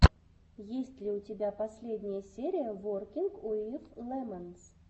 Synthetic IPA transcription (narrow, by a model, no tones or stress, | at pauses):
jesʲtʲlʲɪʊtʲɪbʲapɐsʲlʲedʲnʲɪjəsʲeɾʲɪjəvorkʲiŋkoiflˠɛməns